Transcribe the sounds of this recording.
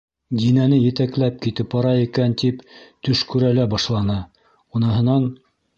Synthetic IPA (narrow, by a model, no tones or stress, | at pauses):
d̪inænɘjɘ̆t̪æklæp̚kit̪ɘpɑɾɑikænt̪ipt̪ɵʃkʉɾælæbɑʃlˠɑnɑ | unɤ̆ɦɤ̆nɑn